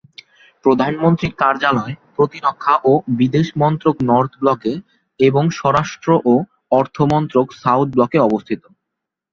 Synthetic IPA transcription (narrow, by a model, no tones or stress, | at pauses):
pɾod̪ʱanmont̪ɾikaɾd͡ʑalɔepɾot̪iɾokʰːaʔobid̪eʃmɔnt̪ɾoknɔɾt̪ʰblɔke | eboŋʃɔɾaʃʈɾoʔo | ɔɾt̪ʰomɔnt̪ɾoksawt̪̚ʰblɔkeɔbost̪ʰit̪o